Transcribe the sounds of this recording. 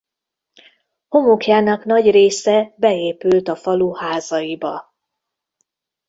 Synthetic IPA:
ho̞mukjaːnɒkn̪ɒɟreːsɛbɛeːpylt̪ɒfɒluhaːzɒjibɒ

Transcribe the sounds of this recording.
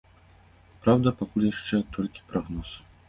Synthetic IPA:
pɾawd̪ɐpakulʲjaʂt͡ʂɛt̪ʰɔlʲkʲi̥pɾaɣnɔs

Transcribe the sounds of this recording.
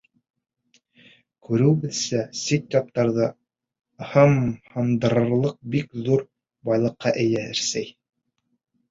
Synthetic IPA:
kʉɾɘ̆wbɘðsæsit̪jɑp̚t̪ɑɾðɤ | hɤmhɤ̆md̪ɤ̆ɾɤ̆ɾlˠɤq̚bikðuɾ | bɑjlˠɤ̆qːɑʔɘ̆jæɘɾsæj

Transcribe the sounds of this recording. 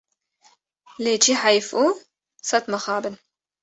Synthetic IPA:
let͡ʃiħajfʔu | sat̪maxaːbɪn

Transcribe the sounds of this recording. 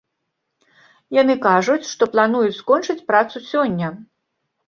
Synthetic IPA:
janɨkaʐut͡sʲʂt̪ɔplˠanujut͡sʲskɔnt͡ʂɨt͡sʲpɾat̪susʲɔnʲːɐ

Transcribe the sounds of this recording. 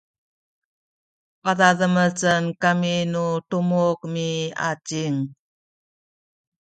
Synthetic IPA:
paðaðəmət͡sənkaminutumuk̚mia̰t͡ʃiŋ

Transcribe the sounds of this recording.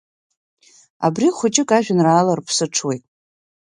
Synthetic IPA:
a̰briχʷʊt͡ʃʼɪkʼaʒᶣanraːlarpʰsɨʈ͡ʂʰwejtʼ

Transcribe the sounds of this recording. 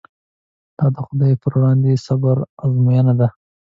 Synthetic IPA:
d̪̥ɑd̪əxʊd̪ɑjpəɾwɽɑnd̪esabaɾɑzmujanad̪a

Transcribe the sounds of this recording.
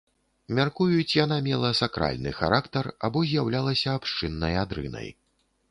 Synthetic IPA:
mʲarkujut͡sʲjan̪amʲɛlˠɐsakɾa̰lʲnɨ̰xa̰ɾakt̪ɐra̰bɔzʲjawlʲalˠɐsʲɐːpʂt͡ʂɨnːɐjad̪ɾɨ̰nɐ̰j

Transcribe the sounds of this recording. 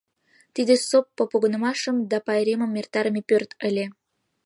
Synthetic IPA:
t̪id̪esopːəpoɣənə̆mɑʃəmd̪ɑpɑjɾeməmːert̪ɑɾəmepørt̪əlʲe

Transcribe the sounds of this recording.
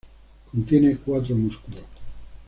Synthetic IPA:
kont̪jenekwat̪̬ɾomuskulo

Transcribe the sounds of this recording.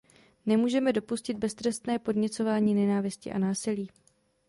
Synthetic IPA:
nɛmuːʒɛmɛdo̞puscɪd̪̚bɛst̪ɾɛst̪nɛːpo̞dɲɛt͡so̞vaːɲiːnɛnaːvɪscɪ̰ʔa̰naːsɪliː

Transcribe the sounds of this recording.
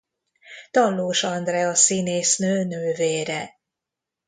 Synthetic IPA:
t̪ɒlːoːʃɒnd̪rɛɒsineːsnøːnøːveːɾɛ

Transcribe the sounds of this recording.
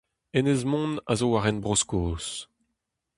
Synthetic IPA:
enezmɔ̃ːna̰zowaʁɛnbʁoskoːs

